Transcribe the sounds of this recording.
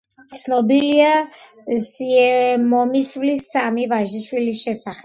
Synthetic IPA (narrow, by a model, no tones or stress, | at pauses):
t̪sʰnɔbilia | siɛmɔmisvlisːamivaʒiʃwilisʃɛsaχɛ